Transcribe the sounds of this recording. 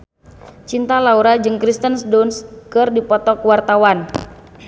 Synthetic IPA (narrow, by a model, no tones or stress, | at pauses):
t͡ʃint̪alauɾad͡ʒɨŋkɾist̪ənsdonskɨrdipɔt̪ɔkwart̪awan